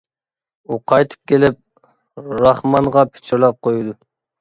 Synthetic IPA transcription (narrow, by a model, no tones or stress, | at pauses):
uqʰɑjt̪ʰɨ̥p̚kʲʰelɪp̚ | ɾɑχmɑɴʁɑpʰe̥t͡ʃʰiɾlˠɑp̚qʰojud̪u